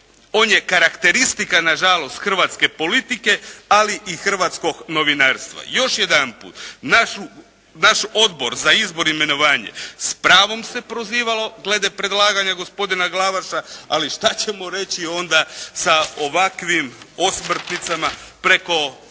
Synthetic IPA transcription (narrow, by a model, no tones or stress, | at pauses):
o̞ːnjekaɾakt̪e̞ɾist̪ikanaʒalo̞st̪xr̩ʋat̪ske̞po̞lit̪ike̞aliʔixr̩ʋat̪sko̞ɡno̞ʋinaːɾst̪ʋa̰jo̞ʃje̞d̪anpṵːt̪naʃu | naʃo̞d̪bo̞ɾzaizbo̞ɾime̞no̞ʋaːɲe̞̰spɾaːʋo̞mse̞pɾo̞ziːʋalo̞ɡle̞d̪epɾe̞d̪lˠaːɡaɲaɡo̞spo̞d̪inaɡlaʋaʃaaliʃt̪at͡ɕe̞mo̞ɾe̞t͡ɕio̞nd̪asaoʋakʋimosmr̩t̪nit̪samapɾe̞ko̞